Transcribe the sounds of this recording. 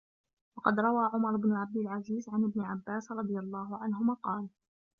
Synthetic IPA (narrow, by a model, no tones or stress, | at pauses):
wɑqɑd̪ɾˤɑwaːʕʊmɑɾˤɪbnʊʕab̚d̪ɪlʕaziːzʕanʔɪbnɪʕabːaːsɾˤɑd̪ˤɨjalˤːɑːhʊʕanɦʊmaːqɑːl